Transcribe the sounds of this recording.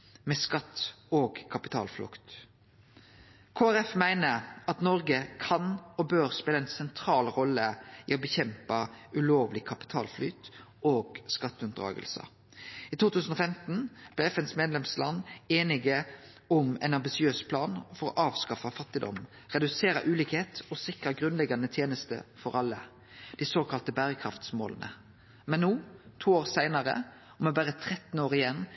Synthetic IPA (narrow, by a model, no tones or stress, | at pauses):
mɛskɑt̪ːoːɡkʰɑpɪt̪ʰɑ̰ːlflʊ̰kt̪ | kʰoːæʁɛfmæɪnəɾɑt̪nɔʁɡəkʰɑnɔbøːɾspeːləɛɪnsɛnt̪ʰɾɑːlʁɔlːəiɔbəçɛmpɑʉloːʋlɪkʰɑpɪ̥t̪ʰɑːlflyːt̪ | oːɡskɑt̪ːʉnd̪ɾɑ̰ːɡə̰lsə̰ | iːt̪ʰuːt̪ʉːsən̩ɔfɛmt̪n̩b̥lɛɛfɛnsmeːd̪lɛmslɑnːeːnɪɡə | ʊmɛ̰ɪnɑmbɪsɪøːspʰlɑːnfɔɾɔ̰ʔɑːʋskɑfɑfɑt̪ːɪd̪ɔ̰m | ʁɛd̪ʉseːɾɑ̰ʔʉːliːkheːt̪ɔsɪkʁɑɡʁʉnlɛɡɑnət̪ʰjeːnəst̪ə̰fɔʁɑlːə | d̪̥ɪsoːkʰɑlt̪əbæːʁəkʰʁɑft̪smo̰ːlənʔə̰ | mɛnːuːt̪ʰuːoːʁsæɪnɑʁə̰ | ɔmɛbæːʁət̪ʰʁɛt̪n̩oːʁɪjɛnː